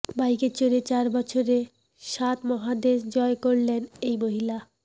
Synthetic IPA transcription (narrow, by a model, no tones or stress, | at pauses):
bajket͡ɕoɾet͡ɕaɾbɔt͡ɕʰoɾe | ʃat̪mɔɦad̪eʃd͡ʑɔekoɾlenejmoɦila